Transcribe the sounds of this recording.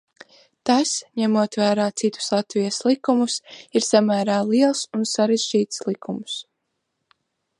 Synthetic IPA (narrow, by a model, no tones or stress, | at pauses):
t̪asɲæmuɔt̪væːɾaːt̪sit̪u̥slˠat̪vijaslˠikumusiɾsamæːɾaːlˠiɛlˠsunsaɾɛzd͡ʒiːt̪slˠikumus